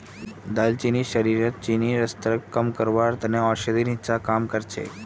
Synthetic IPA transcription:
d̪alt͡ɕiniɕəɾiɾat̪̚t͡ɕiniɾəst̪ɾəkkːəmkəɾʋaɾt̪əneɔɾɕəd̪iɾĩt͡sakamkəɾt͡ɕḛ

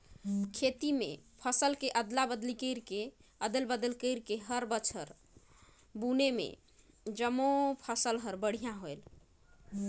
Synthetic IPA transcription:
kʰet̪imḛpʰəsəlkeʔəd̪labəd̪likəɪɾkeəd̪əlbəd̪əlkəɪɾkeɦəɾbət͡ʃʰəɾ | bunemḛ | d͡ʒəmopʰəsəlɦəɾbəɽ̤ijãɦoel

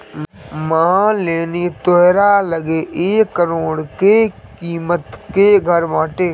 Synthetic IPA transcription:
mãːleːnit̪oɦɾaləɡeʔeːkːəɾoːɽkekiːmət̪keɡʱəɾʋãːʈeː

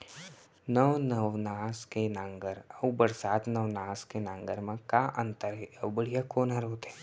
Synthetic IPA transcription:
nəʋnəʋnaːskenãːŋɡəɾəwbəɾsaːt̪nəʋnaːskenãŋɡəɾmẽkaːʔə̃nt̪əɾɦeəwbəɽ̤ijakoːnɦaɾoːt̪eː

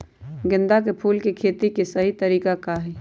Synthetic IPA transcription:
ɡɪ̃nd̪ak̬epʰuːlkekʰeːt̪ikesəɦit̪əɾiːkakaɦɛ

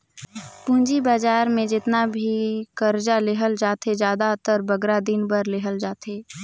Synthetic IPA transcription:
pũːnd͡ʒibaːd͡ʒaːɾmẽd͡ʒɪt̪nabʱikəɾd͡ʒaleːɦəld͡ʒaːt̪ed͡ʒjaːd̪at̪əɾbəɡɾad̪ɪnbəɾleːɦəld͡ʒaːt̪eː

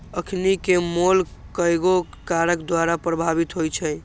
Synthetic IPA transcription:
əkʰnikemolkəjɡo | kaɾəkd̪waɾapɾəbʱabit̪ɦojt͡ʃʰəj

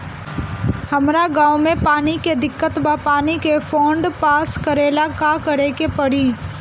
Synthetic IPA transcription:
hɐmɾaɡãːʊmẽpaːniked̪ɪkːət̪bapaːnikefʰɔːɳɖpaːskəɾeːlakakəɾekepɐɽiː

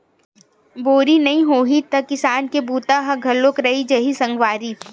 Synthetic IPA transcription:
boːɾinɐɦĩɦoːɦit̪ɐkɪsaːnkebuːt̪aɦɐɡʱɐlːokɾɐɦid͡ʒɐɦisɐ̃ŋɡʋaːɾi

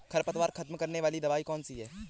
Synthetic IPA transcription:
kʰɐɾpət̪ʋaːɾkʰɐt̪mkɐɾneʋaːlid̪ɐʋaːikɔːnsiɦɛː

